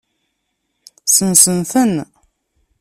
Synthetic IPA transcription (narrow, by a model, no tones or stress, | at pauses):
sənsənθən